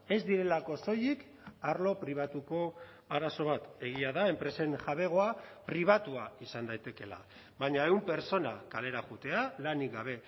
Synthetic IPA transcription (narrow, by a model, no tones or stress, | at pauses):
e̞zd̪iɾe̞lako̞so̞jik | aɾlo̞pɾiβ̞at̪uko̞ | aɾaso̞β̞at̪e̞ɣ̞iaðae̞mpɾe̞se̞nʝaβe̞ɣ̞o̞apɾiβ̞at̪uaisand̪ajt̪e̞ke̞la̰ | βaɲae̞umpe̞ɾt͡so̞na̰kale̞ɾaɣut̪e̞alaniɡaβ̞e̞